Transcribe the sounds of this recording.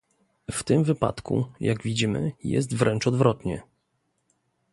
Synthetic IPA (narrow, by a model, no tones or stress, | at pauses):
ft̪ɘmvɘpa̰t̪kʰṵjaɡvʲid͡ʑimɘ̰jɛ̰st̪vɾɛnt͡ʂɔd̪vɾɔt̪ɲɛ̰